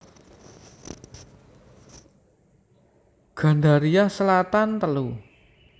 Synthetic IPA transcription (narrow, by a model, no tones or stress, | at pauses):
ɡ̥a̤ɳdaɾijasəlat̪ant̪əlu